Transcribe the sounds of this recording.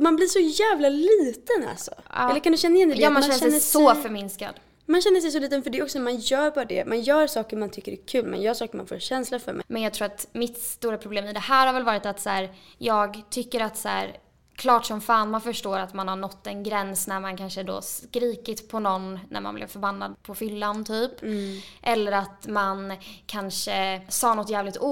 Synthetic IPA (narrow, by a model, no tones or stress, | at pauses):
manbliʂɔjæːvlaliːt̪əna̰lsɔ̰ʔɑːɛlːəɾkʰand̪ʉɕɛnːajɛnd̪ɛjɑːmanʃɛːəsɛjsɔfœɾmɪnska̰d̪ | manɕɛnːəʂɛjs̬ɔliːt̪ənfœɖɛɔksɔnmanjœːɾbɑːɾad̪ɛ̰mʔanjœːɾsɑːkəɾmant̪ʰʏkːəɾɛkʰʉ̟ːlmɛ̰njœːʂɑːkəɾma̰nfo̰ːɕɛnslafœ̰ɾmɛ̰mɛnjɑɡ̚t̪ɾuːɾat̪mɪt̪sst̪uːɾapʰɾʊbleːmɪd̪ɛhæːɾhaɾvɛlvɑːɾɪt̪at̪sæːɾ | jɑːɡt̪ʰʏkːəɾat̪sæ̰ːɾ | kʰlɑːʈʂɔmfaːnmanfœʂʈoːɾat̪manhaɳɔt̪ːɛnɡɾɛnsnæɾmankʰanʂəd̪ɔ̰skɾiːkɪt̪pʰɔnɔnnæ̰ɾmanblɪ̰vfœɾbanːa̰d̪̚pʰɔfʏlːant̪ʰyːpʔɛlːəɾat̪mankʰanʂəsɑːnɔt̪ːjæːvlɪk̚t̪uː